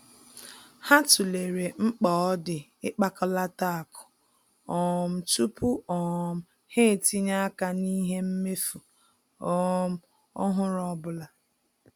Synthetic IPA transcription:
ha˦tu˨le˨ɾe˨ŋ͡m̩˦k͡pɔ˨ɔ˦dɪ˨ | ɪ˦k͡pa˦kɔ˦la˦ta˦˨kʊ̥˨ | ɔ˨m̩˨tu˦pu˦ɔ˨m̩˨ | he˦˨ti˦ɲa˦ka˦ni˦ɦe˦m̩˦me˦fu˨ | ɔ˦˨˦m̩˦ | ɔ̰˦ɦʊ˦ɾɔ˦bʊ˦la˨

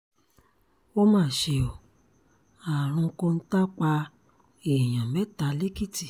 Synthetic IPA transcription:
o˦mãː˦˨ʃe˧˨o˨ | a˨ɾ̃ũ˧kõ˧n̩˦ta˦k͡pa˧ | e˨j̃ã˨mɛ˨˦ta˧˦le˦ki˦˨ti˨

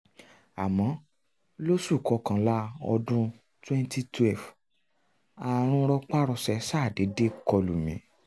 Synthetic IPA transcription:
a˨mɔ̃˨˦ | lo˦su˦˨kɔ˨˧kã˧˦la˦ɔ̰˧dũ˦ | twɛ̃˦nti˦twɛ˦˨f | a˧ɾ̃ũ˧˦ɾɔ˦k͡pa˦ɾɔ˧sɛ˧sa˦˨de˨˦de˦kɔ˧lu˨mĩ˨˦

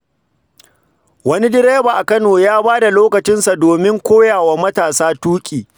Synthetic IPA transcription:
wɐ˦ni˦dɪ˦ɾeː˦baː˨ʔa˨kɐ˦noː˨jaː˦baː˦da˨loː˦kɐ˨t͡ʃɪ˦nsa˨doː˨mɪ˦ŋkʷoː˦jaː˨waː˦mɐ˦taː˨saː˦tuː˦kʲʼiː˨

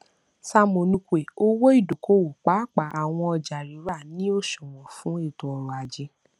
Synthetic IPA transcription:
sa˧mõ˨nũ˨˧kʷe˨o˦wo˦i˦˨do˨ko˦wo˨k͡pa˨˦k͡pa˨ʔa˨w̃ɔ̃˧ɔ˧d͡ʒa˨ɾi˨˦ɾa˦˨nĩ˨˦o˦˨ʃɔ˨w̃ɔ̃˨fũ˨˦e˦˨tõ˨ɔ˨ɾa˨d͡ʒi˧˦

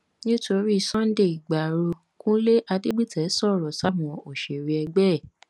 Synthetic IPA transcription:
nĩ˦to˧ɾi˦i˧˨sɔ̃˦n̩˦de˦˨i˨ɡ͡ba˨ɾo˧ | kũ˦le˦ʔa˧de˦ɡ͡bi˦tʰɛ˨˦sɔ˦˨ɾɔ˨sa˦mũ˨o˨ʃe˨ɾi˨˦ɛ˧ɡ͡bɛ˦˨

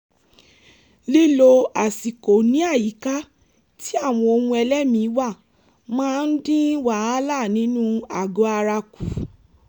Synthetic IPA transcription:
li˦lo˧a˨si˨ko˨nĩ˨˦a˦˨ji˨˦ka˦ | ti˦a˦˨w̃ɔ̃˧o˧ũ˧ɛ˧lɛ˦mĩ˧˦wa˦˨ | mãː˦˧n̩˦dĩ˦wa˨˦a˦la˦˨nĩ˨˦nũ˦a˨ɡo˨˦a˧ɾa˧ku˨

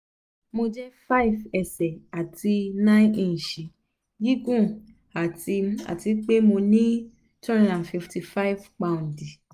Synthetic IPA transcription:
mo˧d͡ʒɛ˦fa˦i˦˨vɛ˨sɛ˨a˨ti˧nã˦ĩ˦ĩ˧˨ʃi˨ | ji˦ɡũ˦˨ | a˨ti˧a̰˨ti˨˧k͡pe˦mo˧nĩ˦ | tɛ̃˦nɔ̃˦dã˨fi˧fti˧fa˦i˦˨vk͡pã˧ũ˨ndi˨

